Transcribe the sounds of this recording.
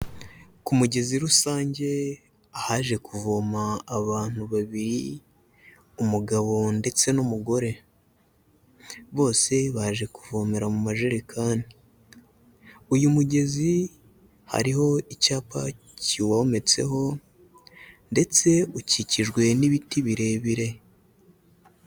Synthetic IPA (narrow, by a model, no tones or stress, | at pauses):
kumuɟe̞ziɾusaːɲɟe̞ | ahaʒe̞kuvo̞maːβaːn̥huβaβiɾi | umuɡaβo̞nde̞t͡se̞numuɡo̞ɾe̞ | βo̞ːse̞βaʒe̞kuvo̞me̞ɾamumaʒeɾikʰaːni | ujumuɟe̞zi | ha̰ɾiho̞icaːpa̰ | ciwome̞t͡se̞̰ɦo̞ | nde̞t͡se̞uciciʒɡwe̞niβitiβiɾe̞βiɾe̞